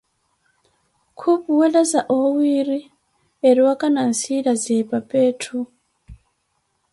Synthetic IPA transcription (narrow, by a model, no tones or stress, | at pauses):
kʰupuwɛlazaʔɔwiɾi | eɾiwakʼanan̩silazɛpʼapʼeːtʰu